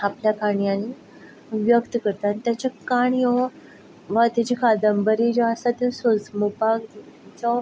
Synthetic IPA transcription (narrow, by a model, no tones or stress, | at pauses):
apljakaɳjani | ʋjəkt̪əkəɾt̪anit̪jat͡ɕakaɳjɔ | ʋat̪at͡ɕikʰad̪əmbəɾid͡ʑɔasat̪esod͡zmupaɡ̪t͡sɔ